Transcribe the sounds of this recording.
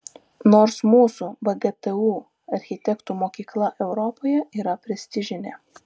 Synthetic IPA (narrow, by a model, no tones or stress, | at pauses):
noːɾsmuːsuːʋɐɡɛt̪ɛuː | ɐɾʲxʲɪt̪ʲɛkt̪uːmoːkʲiːklˠɐʔɛʊɾɔpoːjɛiːɾɐpʲɾʲɛsʲt̪ʲɪʒʲɪnʲḛ